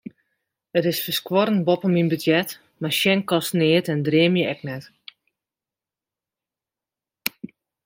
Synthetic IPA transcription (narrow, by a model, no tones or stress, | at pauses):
ətɪsfəskwɔɾənbɔpəminbədjɛt | maʃjɛnkɔsnɪətɛndreəmjəɛknɛt